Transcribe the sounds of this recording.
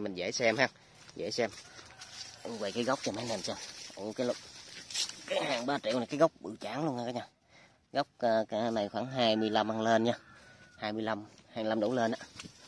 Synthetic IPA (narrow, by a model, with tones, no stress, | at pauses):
mï˨˩ŋ̟zɛ̰˧˥jsɛ˧mhaː˧n | zḛ˧˩jsɛ˧m | ʔve˨˩kaː˨˦jɣwk͡p̚t͡ɕɔ˧˩mɛ˨˧˥nɛ˨˩msa˧˩ʔo˧˩kaː˨˦jl | kaː˨˦jhaː˨˩ŋɓaː˧t͡ɕi˧˨wn˨˩jkaː˨˦jɣə˦˥wk͡p̚ɓɨ̰˧˩t͡ɕaː˨˦ŋlu˧əŋaː˧kaː˨˦ɲaː˧˩ | ɣə˦˥wk͡p̚ːna˨˩jxwaː˧˩ŋɦaː˧jmɨ˧əjla˧mhaː˧˩ŋle˧nɲaː˧haː˧jmɨ˧əjla˧mhaː˨˩ŋjla˧mɗo˧˦wle˧nʔaː˧˦˥